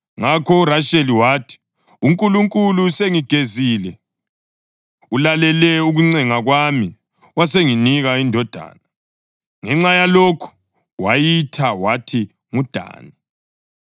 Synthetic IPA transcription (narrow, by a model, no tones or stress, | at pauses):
ŋakʰɔraʃeliwaːtʰi̥ | uŋkʼuluŋkʼuluseŋiɡ̥ʱeziːlɛ | ulalɛlɛuɣuŋ͡ǀɛŋaɣwami | waseŋiniɣaindʱɔd̥ʱa̰ːna | ŋɛŋ͡ǁajalokʰu̥ | wajitʰawatʰi | ŋud̥ʱa̰ːni